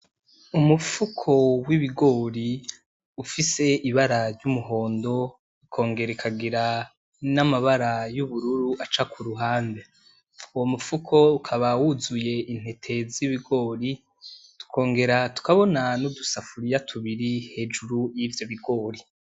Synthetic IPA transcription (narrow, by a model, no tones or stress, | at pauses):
umufukʰo̞wiβiɡo̞ːɾi | ufise̞ʔiβaɾaɾɟumuɦo̞ːndo̞ | ikʰo̞ːŋɡe̞ɾekʰaɡiɾa | namaβaɾajuβuɾuɾuʔat͡ʃakʰuɾuɦaːnde | uwo̞mufukʰo̞ukʰaβawuzuje̞ʔin̥he̞tʰe̞ziβiɡo̞ːɾi | tu̥kʰo̞ːŋɡe̞ɾatu̥kaβo̞nanudusafuɾijatʰuβiɾihe̞ːd͡ʒuɾujivjo̞βiɡo̞ːɾi